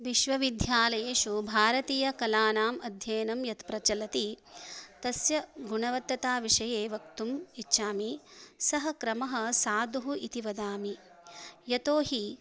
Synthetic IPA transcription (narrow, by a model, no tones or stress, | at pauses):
ʋiʃʋɐʋid̪ʱjaːlɐjeːʃubʱaːɾɐt̪iːjɐkɐlaːnaːmɐd̪ʱjɐjnɐmjɐt̪pɾɐt͡ʃɐlɐt̪i | t̪ɐsjɐɡuɳɐʋɐt̪ːɐt̪aːʋiʂɐjeːʋɐk̚t̪umitːʃaːmisɐɦɐkɾɐmɐɦɐ̆saːd̪uɦuʔit̪iʋɐd̪aːmi | jɐt̪oːɦi